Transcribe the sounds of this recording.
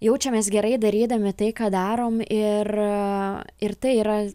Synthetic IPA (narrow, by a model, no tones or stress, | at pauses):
jɛʊt͡ʃʲɛmʲɛsɡʲɛɾɐɪd̪ɐɾʲiːd̪ɐʋmʲɪt̪ɐɪkɑːd̪ɑːɾoːmɪr | ɪrt̪ɐɪiːɾɐ